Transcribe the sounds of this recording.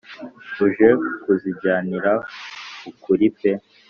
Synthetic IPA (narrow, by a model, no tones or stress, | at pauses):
uʒe̞kuziɟaːniɾakukuɾipe